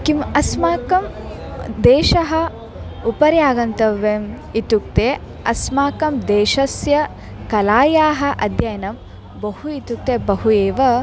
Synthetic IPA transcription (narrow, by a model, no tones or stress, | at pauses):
kimɐsmaːkɐm | d̪eːʃɐɦɐ̆ | upɐɾjaːɡɐnt̪ɐʋːeːm | it̪uk̚t̪eː | ɐsmaːkɐmd̪eːʃɐsjɐ | kɐlaːjaːɦɐ̆ʔɐd̪jɐjɐnɐm | bɐhuit̪uk̚t̪eːbɐɦueːʋɐ